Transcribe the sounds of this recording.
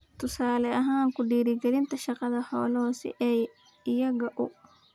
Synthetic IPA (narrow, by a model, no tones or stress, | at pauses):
t̪ʰʊsaːlɛʔɐɦaːŋkʰʊɖiːɾɪɡɛlɪnt̪ʰɐʃɑqɑðɐhɔ̰ːlɔːsɪ̰ʔɛj | ɪjɐɣɐʔʊ